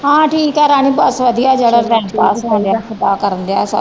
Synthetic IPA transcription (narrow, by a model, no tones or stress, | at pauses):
ɦãːʈʰiːkɛːɾaːñiːbasʋəd̪ijaːd͡ʒeːɽaʈɛ̃ːpaːskalakʰəd̪aːkəɾənd̪eaːsə